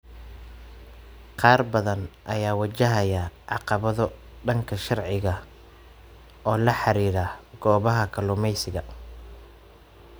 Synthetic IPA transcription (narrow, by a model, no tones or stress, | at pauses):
qɑːrbɐðɐnʔɐjaːwɐt͡ʃɐɦɐjɐʕɑ̰qɑβɐðɔ | ɖɐŋkʰɐʃɑrʕɪɣɐ | ɔːlɐħɑɾiːɾaɡ̥ɔːβɐɦɐkʰɐlʊmɛjsɪɣɐ